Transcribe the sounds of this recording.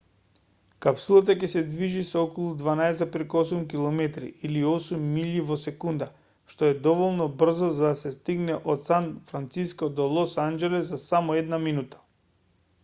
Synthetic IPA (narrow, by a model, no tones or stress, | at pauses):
kapsulˠat̪akɛsɛd̪viʒisɔɔkɔlˠud̪vanaɛsapɾɛkosumk̬ilˠɔmɛt̪ɾḭiliɔsumːiʎivɔsɛkund̪a | ʃt̪oɛd̪ɔvɔlˠnɔbr̩zɔzad̪asɛst̪iɡnɛʔot̪sanfɾant̪siskɔd̪ɔlˠɔsand͡ʒɛlɛzːasamɔɛd̪naminut̪ḁ